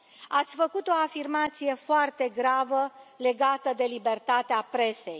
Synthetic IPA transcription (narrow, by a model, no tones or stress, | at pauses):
at̪sʲfəkut̪o̞afirmat̪sije̞foart̪e̞ɡɾavəle̞ɡat̪əd̪e̞libe̞rt̪at̪eapɾe̞se̞̰j